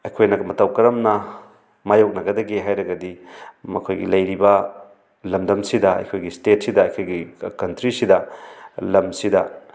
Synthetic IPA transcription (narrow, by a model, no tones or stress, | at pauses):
ɐjkʰojnɐmɐtɐwkɐɾɐmnɐ | majowk̚nɐɡɐdɐɡiɦajɾɐɡɐdimɐkʰojɡḭlɐjɾibɐ | lɐmdɐmsidɐɐ̰jkʰojɡistet̚sidɐːjkʰojɡikɐntɾisidɐlɐmsidɐ